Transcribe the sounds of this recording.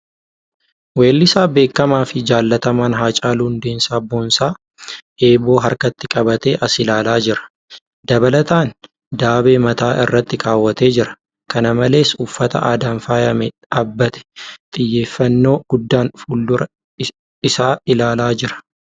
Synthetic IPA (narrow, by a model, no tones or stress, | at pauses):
weːlːɪsaːbe̞ːkːɐmaːfɪd͡ʒaːlːɐt̪ɐmaːnɦaːt͡ʃʼaːluʊnd̪eːnsaːboːnsaː | ʔeːbo̞ːɦɐɾkɐt̪ːɪkʼɐbɐt̪e̞ːʔɐsɪlaːlaːd͡ʒɪɾɐ̥ | d̪̥ɐbɐlɐt̪aːn | d̪aːbe̞ːmɐt̪aːʔɪ̰rːɐt̪ːɪkʼaːwːɐt̪e̞ːd͡ʒɪɾɐ̥ | kɐnɐmɐle̞ːsufːɐt̪ɐ̰ʔaːd̪aːnfaːjɐmɛᶑaːbːɐt̪ɛ̥t̪ʼɪjːe̞ːfːɐnːo̞ːɡ̥ʊd̪ːaːnfuːlːʊɾɐ | ɪsaːʔɪlaːlaːd͡ʒɪɾɐ̥